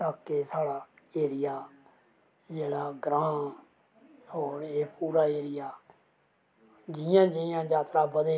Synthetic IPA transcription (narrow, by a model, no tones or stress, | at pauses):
t̪aːkːeːsaːɽaː | eːɾɪjaː | d͡ʒeːɽaːɡɾãː | hoːɾeːpuːɾaːeːɾɪjaː | d͡ʒɪjãːd͡ʒɪjãːd͡ʒaːt̪ɾaːbəd̪eː